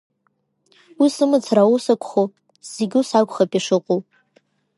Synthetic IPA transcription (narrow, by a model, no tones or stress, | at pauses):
wisɨmɨt͡sʰrausakʷʰʼχo | z̥eɡʲusakʷʰʼχapʼiʂɨqʷʼow